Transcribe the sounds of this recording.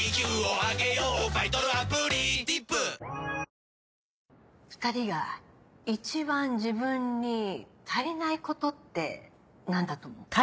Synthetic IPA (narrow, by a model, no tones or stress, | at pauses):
ikʲɯːoaɡejoːbait̪oɾɯapɯɾʲid̪ipːɯ | ɸɯ̟̥t̪aɾʲiɡait͡ɕibãɲd͡ʑibɯ̟̃ɲːit̪ʰainaiko̞t̪o̞t̪ːe̞̰ | nãnd̪at̪omo